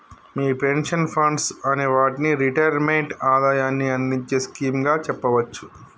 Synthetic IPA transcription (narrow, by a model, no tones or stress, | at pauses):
miːpenʂɐnpʰɐɳɖsɐneːʋaːʈiniɾiʈɐjɐɾmeɳʈaːd̪aːjaːnːiɐnd̪iɲt͡ʃe̞ːskiːmɡaːt͡ʃɛpːɐʋɐt͡ʃːu̥